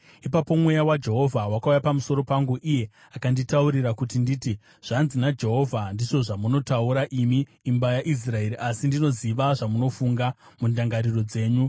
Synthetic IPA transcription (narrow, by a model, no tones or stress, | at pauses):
ipapo̞mwe̞jawad͡ʒe̞ɦo̞vʱawakaujapamuso̞ɾo̞paŋɡuʔije̞ | akanditauɾirakutinditi | ʐ̥anzinad͡ʒe̞ɦo̞vʱandiʐo̞ʐamuno̞tauɾaʔimiː | mbajaʔis̬rae̞ɾiʔasindino̞ziʋaʐamuno̞fuŋɡamundaŋɡaɾiro̞d͡ze̞ːɲu